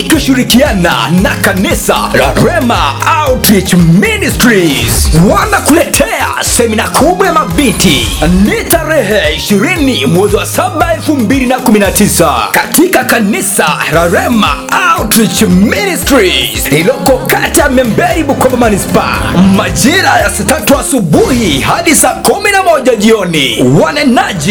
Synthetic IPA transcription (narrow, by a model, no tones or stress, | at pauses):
kiʃiɾikiana̰nakanisa̰ɾa̰ɾɛmaawtɾit͡ʃministɾizwanakulɛtʰɛa̰sɛminakʰuɓajamavintḭnitaɾɛɦɛiʃiɾinimwɛziwasaɓaɛlfumbilinakuminatisa̰katikakanisa̰ɾaɾɛma̰awtɾit͡ʃministɾiilɔkɔkatijamɛmbɛɾiɓukɔɓamanispa̰maʄiɾajasatatuasubuhihaɗisaːkuminamɔʄaʄiɔniwanɛnaʄi